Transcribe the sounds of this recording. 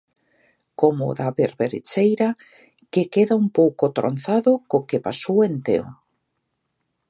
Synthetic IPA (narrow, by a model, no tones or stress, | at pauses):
komo̰ðaβeɾβeɾḛt͡ʃejɾa | kekeðaumpowkot̪ɾo̰nθaðokokepasowent̪ḛo